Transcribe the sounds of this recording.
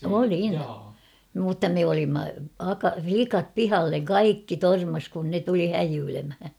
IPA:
olin mutːɑ me olimːɑ ɑkɑ flikɑp pihɑlːeŋ kɑikːi tormɑs kun ne tuli hæjyːlemhæ

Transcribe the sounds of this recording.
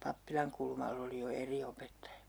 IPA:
pɑpːilɑŋkulmɑlː oli jo eri opetːɑjɑ

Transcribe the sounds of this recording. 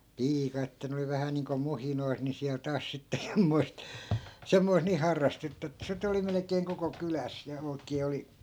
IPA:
piːkɑ etːæ ne oli ʋæhæ niːŋko muhinois ni siæl tɑːs sitːe semːoi̯st semːois niː hɑrːɑstetːɑ etːæ sit oli melekˑeːŋ koko kylæs jɑ oi̯kˑeː oli

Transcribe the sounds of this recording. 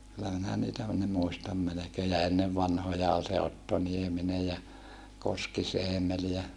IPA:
kylːæ minæ niːtæ ne muistɑm melekeː jɑ enːeʋ ʋɑnhojɑ ol se otːo nieminej jɑ koskiseːmel jæ

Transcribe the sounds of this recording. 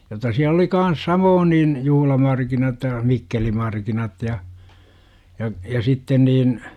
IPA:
jotːɑ siæl oli kɑn̞s sɑmoːn niːn juhlɑmɑrkinɑt jɑ mikːelimɑrkinɑt jɑ jɑ jɑ sitːen niːn

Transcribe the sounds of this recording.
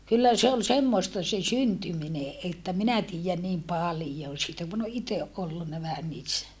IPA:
kylːæ se ol semːoĕstɑ se syntymine ʔetːæ minæ tiːjæn niːm pɑlĭjon̞ siːtæ kun o ʔiteʔ ʔolːunːɑ ʋæhæn niːsːæ

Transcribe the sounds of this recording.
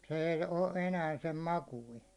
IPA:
se ei o enæː sem mɑkuin̞

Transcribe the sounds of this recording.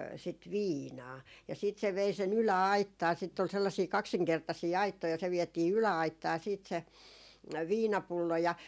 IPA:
sit ʋiːnɑː jɑ siːt se ʋei sen ylæɑitːɑː sitː ol selːɑsiː kɑksiŋkertɑsiː ɑitːoi jɑ se ʋiɛtiː ylæɑitːɑː siːt se ʋiːnɑpulːo jɑ

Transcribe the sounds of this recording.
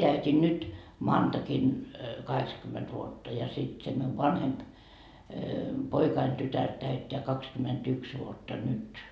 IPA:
tæytʲin nyt mɑːntɑkin kɑhekskymːet ʋuotːɑ jɑ sit se miuʋ ʋɑnhemp poikɑin tytær tæytːeæ kɑkskymetyks ʋuotːɑ nyt

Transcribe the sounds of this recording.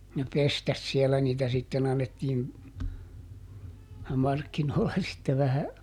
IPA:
ne pestæs siɛlæ niːtæ sitːen ɑnːetːiːn mɑrkːinoːlːɑ sitːe ʋæhæ

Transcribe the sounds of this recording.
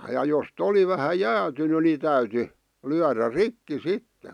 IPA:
jɑ jost oli ʋæhæ jæːtyny ni tæyty lyæræ rikːi sitːe̥

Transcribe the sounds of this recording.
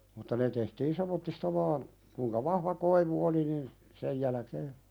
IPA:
mutːɑ ne tehtiːn semˑotːistɑ ʋɑːn kuĭŋkɑ ʋɑhʋɑ koiʋu oli nin sej jælæ̆keː

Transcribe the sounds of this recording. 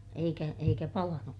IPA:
eikæ eikæ pɑlɑnuk

